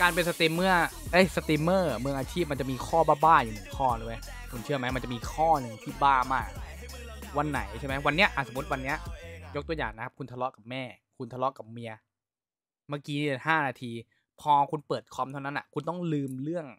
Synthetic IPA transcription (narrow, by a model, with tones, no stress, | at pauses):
kaː˧npe˧nsa˧t̪i˧mːɯ˥˩ɐʔa˦˥˩jsa˧t̪i˧mːɤː˥˩mɯ˧əŋʔaː˧t͡ɕʰiː˥˩p̚ma˧nt͡ɕa˨˩ʔmiː˧kʰɔː˥˩baː˥˩baː˥˩juː˨˩mɯ˩˦ŋkʰɔː˥˩lu˧˦j | kʰu˧nt͡ɕʰɯ˥ɐma˦˥jma˧nt͡ɕa˨˩ʔmiː˧kʰɔː˥˩nɯ˧ŋt̪ʰiː˥˩baː˥˩maː˥˩k̚ | wa˧nːa̰˨˩˦jt͡ɕʰa˥˩ma˦˥wa˧nːi˦˥ɐʔaː˨˩so˩˦u˦˥t̪̚wa˧nːi˦˥ɐjo˦˥k̚t̪u˧ɐja̰ː˨˩ŋna˦˥kʰa˦˥p̚kʰu˧nt̪ʰa˧lɔ˦˥ʔka˨˩p̚mɛː˥˩kʰu˧nt̪ʰa˧lɔ˦˥ʔka˨˩p̚mi˧ɐ | maː˥˩kiː˦˥iː˥˩˨haː˥˩naː˧t̪ʰiː˧ | pʰɔː˧kʰu˧npɤː˨˩t̪̚kʰɔ˦˥mt̪ʰa˥˩wna˦˥nʔa̰˨˩kʰu˧nt̪ɔ˥˩ŋlɯː˧mɾɯ˥˩əŋ